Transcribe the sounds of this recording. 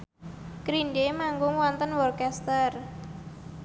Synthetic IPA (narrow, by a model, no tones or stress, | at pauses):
kɾinɖemaŋɡʊŋwɔnt̪ənwɔrkɛst̪ər